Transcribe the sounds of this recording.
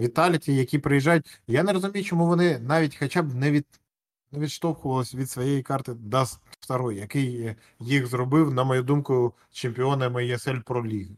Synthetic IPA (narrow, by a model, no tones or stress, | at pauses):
ʋʲit̪ɑlʲtʲijɐkʲipɾejiʒɑjʊt̚ʲjaneɾɔzʊmʲijʊt͡ʃɔmuʋɔnɪnɑʋʲitʲxɐt͡ʃɑbnɛʋʲid̪ | nɛʋʲid̪ʃt̪ɔwkʊʋɐlˠɪsʲʋʲid̪sʋɔjejikɑrt̪ɪd̪ɑsft̪ɐɾɔjjɐkɪjː | ixzrɔbɪwnɐmɔjud̪umkʊ | t͡ʃemʲpʲɪɔnɐmɪjɛsɛlʲpɾɔlʲiɦ